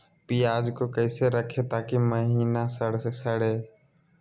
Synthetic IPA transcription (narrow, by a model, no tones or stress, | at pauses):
piːaːd͡ʒkoːkəɪseɾəkʰet̪aːkiməɦiːnasəɽsesəɽeː